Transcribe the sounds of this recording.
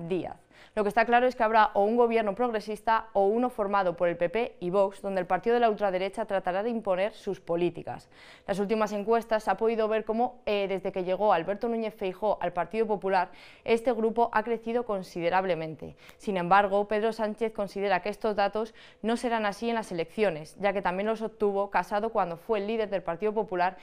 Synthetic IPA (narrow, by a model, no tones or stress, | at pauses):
d̪ia̰θ | lo̞ke̞st̪aklaɾoekeaβɾaʔouŋɡo̞β̞je̞ɾnopɾo̞ɣ̞ɾe̞sist̪aouno̞fo̞ɾmað̞o̞po̞ɾe̞lpe̞pe̞iβ̞o̞kzðo̞nd̪elpaɾt̪iðo̞elault̪ɾaðe̞ɾe̞t͡ʃat̪ɾat̪aɾaðeimpo̞ne̞ɾsuspo̞lit̪ika̰s | lʔasult̪imase̞ŋkwe̞st̪asapo̞ðiðo̞β̞e̞ɾko̞mo̞eðe̞zðe̞ke̞ʎe̞ɣ̞o̞alβe̞ɾt̪onũɲe̞θfejxo̞ʔalpaɾt̪iðopo̞pulaɾ | e̞st̪e̞ɣ̞ɾupo̞ʔakɾe̞θið̞o̞ko̞nsiðe̞ɾaβ̞le̞mẽ̞nt̪e̞̰sinẽ̞mbaɾɣ̞o̞pe̞ðɾo̞sant͡ʃe̞θko̞nsið̞e̞ɾakeest̪o̞zðat̪o̞s | no̞se̞ɾanasie̞nlase̞le̞kθjo̞ne̞sɟ͡ʝake̞t̪amje̞nloso̞p̚t̪uβ̞o̞kasaðo̞kwand̪o̞fwe̞ːlːiðe̞ɾðe̞lpaɾt̪iðopo̞pulaɾ